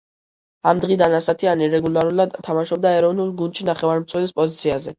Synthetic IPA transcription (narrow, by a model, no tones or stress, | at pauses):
amd̪ʁid̪anasat̪ʰianiɾɛɡulˠaɾulˠad̪t̪ʰːamaʃɔb̚d̪aɛɾɔvnulˠɡund̪ʃinaχɛvaɾmt̪sʰwɛlispʼɔzit̪sʰiazɛ